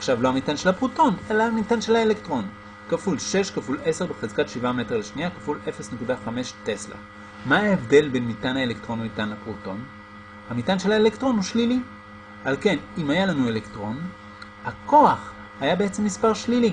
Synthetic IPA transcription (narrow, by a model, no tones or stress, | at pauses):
aχʃavlo̞hamitanʃelapʁuto̞nelamitanʃelaelektʁo̞n | kafulʃe̞ʃkafule̞se̞ʁbeχezkatʃivame̞teʁleʃniakafulʔe̞fe̞snekudaχame̞ʃte̞sla̰ | maaevde̞lbenmitanhaelektʁo̞namitanlapʁuto̞n | hamitanʃelaelektʁo̞nuʃlili | alke̞nimajalanue̞lektʁo̞n | hako̞aχ | hajabe̞et͡semːispaʁʃlili